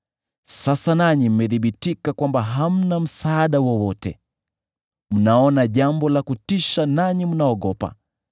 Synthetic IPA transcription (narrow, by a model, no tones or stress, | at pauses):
sasanaɲim̩mɛðiɓitikakwambaɦam̩nam̩saːɗawɔwɔtɛ̰ | m̩naɔnaʄambɔlakutiʃanaɲim̩naɔɠɔpa̰